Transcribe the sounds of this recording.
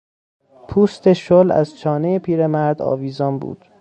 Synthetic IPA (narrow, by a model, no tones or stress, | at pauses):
pʰuːst̪eʃolæ̰zt͡ʃʰɒːnejepʰiːɾemæɾd̪ɒ̰ːviːzɒːnbṵːd̪̥